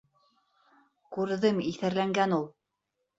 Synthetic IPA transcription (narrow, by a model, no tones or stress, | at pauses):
kʉɾðɘmiθæɾlæŋɡænulˠ